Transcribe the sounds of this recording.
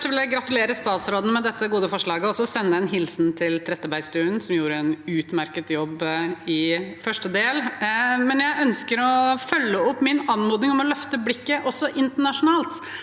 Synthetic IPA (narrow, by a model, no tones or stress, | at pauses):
ʂəʋɪljæɪɡɾɑt̪ʉleːɾəst̪ɑːt̪sɾoːd̪n̩mɛd̪ɛt̪ːəɡuːd̪əfɔʂɭɑːɡəɔɔsɔsɛnːəd̪ɛnɦɪlsnt̪ʰɪlt̪ʰɾɛt̪ːəbæɪst̪ʉːənsɔmjuːɾəɛnʉːt̪mæɾkət̪jɔbːɪfœʂʈəd̪eːlmɛnjæɪʔœnskəɾɔfœlːəɔpːmɪnɑnmuːd̪nɪŋɔmɔlœft̪əblɪkːəʔɔsːɔʔɪnt̪əɳɑʂʊnɑːlt̪